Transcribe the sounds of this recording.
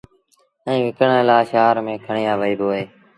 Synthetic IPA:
ɛ̃ːʋɪkəɳlaːʃaːɾmẽːkʰəɳiːjaːʋəiːboːɦeː

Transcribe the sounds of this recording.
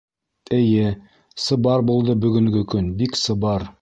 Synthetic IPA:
ɘ̆jɘ | sɤ̆bɑɾbulˠd̪ɤbɵ̆ɡɵ̆ŋɡɵkɵnbiksɤ̆bɑɾ

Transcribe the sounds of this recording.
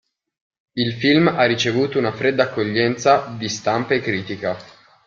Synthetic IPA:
ilfilmarːit͡ʃevuːt̪ounafɾed̪ːaːkːoʎːɛnt̪sad̪ist̪ampeekːɾiːt̪ika

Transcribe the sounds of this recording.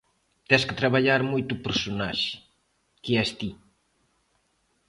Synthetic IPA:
t̪ɛskɪ̥t̪ɾaβaʎaɾmojt̪upeɾsonaʃɪ̥ | keɛst̪i

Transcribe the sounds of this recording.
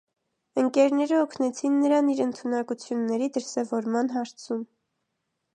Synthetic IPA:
əŋkɛɾnɛɾəɔkʰnɛt͡sʰinːəɾɑniɾənt̪ʰunɑkut͡sʰjunːɛɾid̪əɾsɛvɔɾmɑnɦɑɾt͡sʰum

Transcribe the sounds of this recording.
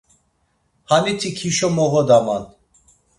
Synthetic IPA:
hanit̪ʰikʰiʃɔmɔɣɔd̪aman

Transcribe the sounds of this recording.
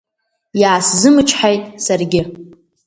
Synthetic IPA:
jaːszɨmɨt͡ʃʰħajtʼsarɡʲɪ

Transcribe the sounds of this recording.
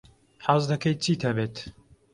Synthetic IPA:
ħɑːzd̪ɐkɐjt͡sʰiːt̪ʰɐbeːt̪

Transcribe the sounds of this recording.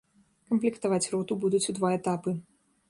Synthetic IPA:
kɐmplʲikt̪avat͡sʲrɔt̪ubud̪ut͡sʲud̪vaɛt̪apɨ

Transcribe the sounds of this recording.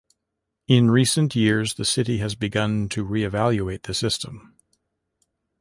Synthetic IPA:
ɪ̃nɹisɨ̃nʔjɪɹzðɨsɪɾiɨzbɨɡʌ̃ntʰɨɹiɨvælˠjueɪt̪̚ðɨsɪstʰə̃m

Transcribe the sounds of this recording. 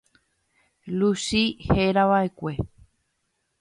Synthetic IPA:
lusiheɾaʋaʔe̞kʷe̞

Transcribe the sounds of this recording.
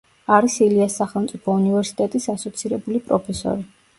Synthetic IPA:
aɾisiliasːaχɛlˠmt̪sʼipʰɔunivɛɾsi̥t̪ʼɛt̪ʼisasɔt̪sʰiɾɛbulipʼɾɔpʰɛsɔ̰ɾi

